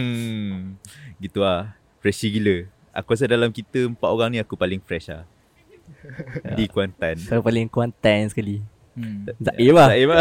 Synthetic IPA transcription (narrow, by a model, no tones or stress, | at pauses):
ɡit̪ua | fɾɛʃiɡilə | ʔa̰kuas̬ədalamkit̪əəmpaʔoɣaŋnĩakupalɪŋfɾɛʃa̰ | dikuant̪ankaupalɪŋkuant̪anskali | zaʔimaaʔima